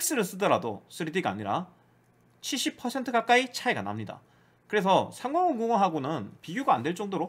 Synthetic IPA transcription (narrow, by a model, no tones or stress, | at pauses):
ik̚s͈ɯɾɯs͈ɯdʌɾado̰sʰɯɾidiɡaːɲiɾa̰ | t͡ɕʰiɭɕ͈ipʰʌsʰe̞ntʰɯɡak͈ait͡ɕʰaeɡa̰na̰mɲida̰ | kɯɾe̞s̬ʰʌsʰaŋɡʌŋɯnɡoŋoɦaɡonɯnpiɡjuɡaːndwe̞ɭt͡ɕ͈ʌŋdoɾo